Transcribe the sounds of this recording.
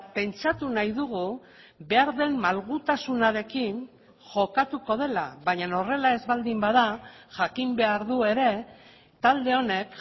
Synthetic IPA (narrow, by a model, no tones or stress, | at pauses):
pe̞nt͡ʃat̪unajðuɣu | βe̞aɾðe̞mːalɣut̪asunaɾe̞kin | ʝo̞kat̪uko̞ð̞e̞la̰βaɲano̞re̞lae̞zβald̪imbaðaʝakimbe̞aɾðue̞ɾe̞ | t̪ald̪e̞o̞ne̞k